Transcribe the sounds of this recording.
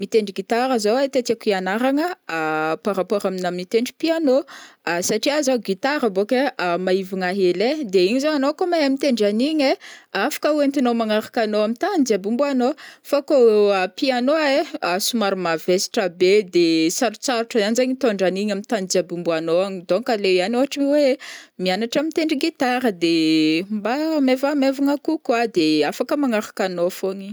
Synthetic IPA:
mit̪eɳɖ͡ʐiɡit̪aɾəzawat̪et̪akianaɾaŋəpaɾapoɾaminamit̪eɳɖ͡ʐi̥pianoasaʈ͡ʂiazawɡit̪aɾəbokemaiviŋaɦeled̪eiɲizowanokomaɦamit̪eɳɖ͡ʐaniɲeafḁkəuwent̪inomaŋaɾakanoamit̪and͡ziabumbuanofakoapianoaeasumaɾumavesi̥ʈ͡ʂabed̪esaɾut͡saɾuʈ͡ʂəzanzejɲit̪oɳɖ͡ʐaniɲamit̪and͡ziabumbuanoaɲid̪oŋkaleanoɦaʈ͡ʂiwemianaʈ͡ʂamint̪eɳɖ͡ʐiɡit̪aɾəd̪embamevamevaŋakukwad̪eafakəmaŋaɾḁkanofoɲi

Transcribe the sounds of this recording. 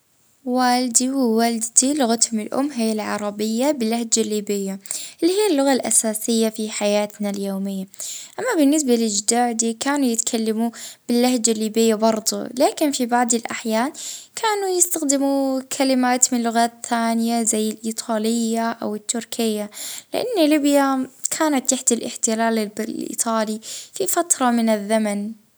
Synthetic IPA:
waːld̪iwɪwald̪d̪ilʊɣat̪hʊmɪlʔʊ̰mːɦɪjːalʕɑ̰ɾˤɑbɪjːabɪlːahd͡ʒalːiːbɪjːaʔɪlːihijːalːʊɣalʔasaːsɪjːafiħajaːt̪naljoːmɪjːaʔamːabɪnːɪs̬balɪd͡ʒd̪aːʕd̪iːkaːnujɪt̪kʰalːamub̥ɪlːahd͡ʒalːiːbɪjːabɑɾˤd̪ˤṵlaːkɪnfibaʕd̪ˤɪlʔaħjaːnkʰaːnujɪst̪axd̪ɪmukʰalɪmaːt̪mɪnlʊɣaːt̪θaːnjazajːɪlʔiːt̪ˤʰɑːlɪjːaʔawɪt̪ːʊɾkʰɪjːalɪ̰ʔa̰nːalɪbjakʰaːnat̪ːaħd̪alʔɪħt̪ɪlaːlɪblʔḭːt̪ˤʰɑːlififat̪ɾˤɑmɪnɪðːaman

